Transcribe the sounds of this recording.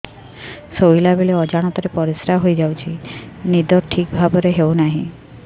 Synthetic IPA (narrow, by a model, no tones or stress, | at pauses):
sojlabeleɔd͡ʒaɽ̃ɔt̪ɔɾepɔɾisɾaɦojd͡ʒawt͡ʃʰinid̪ɔɾʈʰikbʱabɔɾeɦewnaɦḭ̃